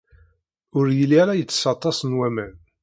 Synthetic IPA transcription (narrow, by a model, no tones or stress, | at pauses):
ʊɾjəlːiæɾajət͡sːsɑt̪ˤːɑsənwæmæn